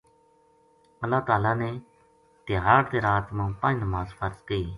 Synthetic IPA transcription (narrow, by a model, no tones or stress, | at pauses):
əlːaːt̪aːlaːneː | t̪ɪɦaːɽt̪eːɾaːt̪mãːpãːnnəmaːzfʰəɾzkəiː